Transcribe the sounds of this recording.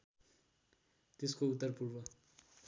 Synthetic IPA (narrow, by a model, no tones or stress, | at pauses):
t̪eskout̪ːʌrpurbʌ